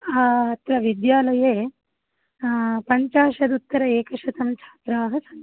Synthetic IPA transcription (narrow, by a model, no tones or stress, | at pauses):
ɐt̪ɾɐʋid̪jaːlɐjeː | pɐɲt͡ʃaːʃɐd̪ut̪ːɐɾɐeːkɐʂɐt̪ɐmɐt͡ʃʰaːt̪ɾaːɦɐsɐn